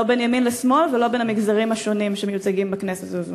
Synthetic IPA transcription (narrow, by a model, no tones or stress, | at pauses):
obenjaminlesmo̞lvelo̞benamiɡzaʁimhaʃo̞nimʃemejut͡saɡimbakneset̪ez